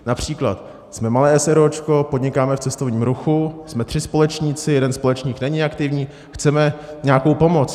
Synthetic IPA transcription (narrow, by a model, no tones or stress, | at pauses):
napr̝̥iːkla̰t̪ | smɛmalɛːɛsɛɾot͡ʃko̞podɲɪkaːmɛft͡sɛst̪o̞vɲiːmɾuxusmɛt̪r̥ɪspo̞lɛt͡ʃɲit͡sɪjɛdɛnspo̞lɛt͡ʃɲiːknɛɲɪakt̪ɪvɲiː | xt͡sɛmɛɲaːko̞wpo̞mo̞t͡s